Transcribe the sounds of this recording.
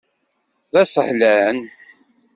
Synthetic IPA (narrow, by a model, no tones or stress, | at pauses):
ðæsˤəħlæn